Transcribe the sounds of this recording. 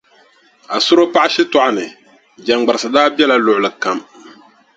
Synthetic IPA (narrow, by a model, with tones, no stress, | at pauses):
a˨sʊ˦ɾo˦pa˦ʔɪ˦ʃɪ˦tɔ˦˨ʔa˦nɨ˨ | d͡ʒa˨ŋɡ͡ba˨ɾɨ˨sɨ˨daː˦bɛ˦la˦lʊ˨ʔʊ˨lɨ˨ka˨m